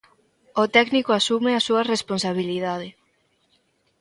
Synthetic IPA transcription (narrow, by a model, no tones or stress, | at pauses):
ot̪ɛknikoasumeasuɐresponsaβ̞iliðað̞e